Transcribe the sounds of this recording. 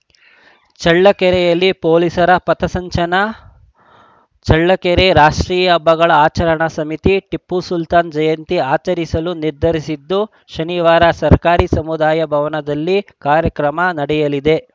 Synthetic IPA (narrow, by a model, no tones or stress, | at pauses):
t͡ʃɐɭːɐkɛɾɛjɐlːipoːlisɐɾɐpɐt̪ɐsɐɲt͡ʃɐnɐ | t͡ʃɐɭːɐkɛɾeɾaːʂʈɾiːjɐbʱɐɡɐɭɐaːt͡ʃɐɾɐɳɐsɐmit̪iʈipːusult̪aːnd͡ʒɐjɐnt̪iaːt͡ʃɐɾisɐluniɾd̪ʱɐɾisid̪ːu | ʃɐniʋaːɾɐsɐɾkaːɾisɐmud̪aːjɐbʱɐʋɐnɐd̪ɐlːikaːɾjɐkɾɐmɐnɐɽɛjɐlid̪e̞